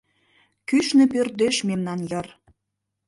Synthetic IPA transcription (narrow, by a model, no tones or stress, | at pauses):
kyʃnĕpørt̪eʃmemnɑnjɤr